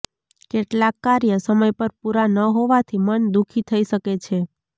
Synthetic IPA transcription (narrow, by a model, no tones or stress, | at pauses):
keʈlakːaɾjəsəməjpəɾpuɾanəɦoʋat̪ʰimənd̪ukʰit̪ʰəiʃəket͡ʃʰe